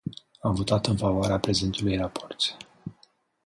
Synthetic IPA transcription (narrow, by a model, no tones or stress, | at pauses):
amvo̞t̪at̪ɨnfavoaɾeapɾe̞zent̪ulujrapʰo̞rt̪sʲ